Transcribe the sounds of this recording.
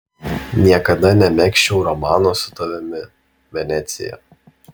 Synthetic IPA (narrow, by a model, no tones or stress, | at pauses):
nʲiɛkɐd̪ɐnʲɛmʲɛkʃʲt͡ʃʲɛʊɾɔmɑːnoːsʊt̪ɐʋʲɛmʲɪ | ʋʲɛnʲɛt̪sʲɪ̰jɛ̰